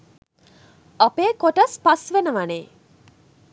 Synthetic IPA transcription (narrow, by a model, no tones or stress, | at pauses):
ɐpeːkoʈɐspɐsʋenəʋaɐneː